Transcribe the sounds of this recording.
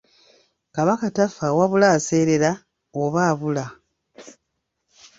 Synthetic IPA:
kaβakatafawaβulaːse̞ːɾe̞ɾa | oβaːβula

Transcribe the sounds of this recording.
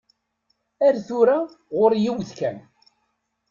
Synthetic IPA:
æɾθuɾa | ʁʊɾjiwðkæn

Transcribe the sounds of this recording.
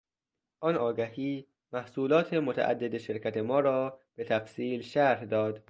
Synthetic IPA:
ʔɒːnɒːɡæhiː | mæhsuːlɒːt̪ʰemot̪ʰæ̰ʔæ̰d̪ːed̪eʃeɾcʰæt̪ʰe̞mɒːɾɒːb̥e̞t̪ʰæfsiːlʃæɾhd̪ɒːd̪

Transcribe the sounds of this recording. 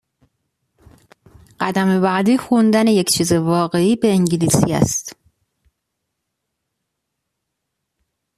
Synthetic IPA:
ɢ̥æd̪æmebæʔd̪iːxund̪æneject͡ʃʰiːzevɒːɣe̞iːbe̞ːŋɟilisḭæ̰st̪

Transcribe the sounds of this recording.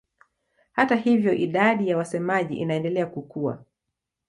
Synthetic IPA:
hatahivjɔʔiɗaɗijawasɛmaʄḭʔḭnaɛndɛlɛakukua̰

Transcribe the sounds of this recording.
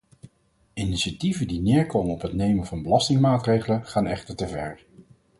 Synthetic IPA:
ɪniʃativədinɪːɹkowmənɔpɦətnejməvɑnbəlɑstɪŋmaːtrejχələχaːnɛχtəɹtəvɛ̰ɹ

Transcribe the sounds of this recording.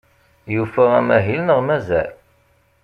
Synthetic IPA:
jufæʁæmæɦilnəʁmæzæ̰l

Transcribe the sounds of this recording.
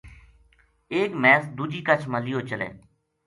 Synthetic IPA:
eːkmɛːsd̪uːd͡ʒiːkət͡ʃʰməlijoːt͡ʃəlḛː

